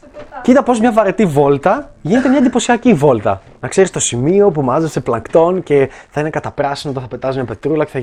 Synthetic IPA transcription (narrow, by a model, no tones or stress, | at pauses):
cit̪ɐpozmɲɐvɐɾe̞t̪ivo̞lt̪ɐʝine̞t̪emɲɐend̪ipo̞siɐcivo̞lt̪ɐ | nɐkse̞ɾist̪o̞simio̞pumɐzese̞plɐŋkt̪o̞nce̞θɐine̞kɐt̪ɐpɾɐsinot̪ɐ̃θɐpe̞t̪ɐsizmɲɐpe̞t̪ɾulɐce̥θɐ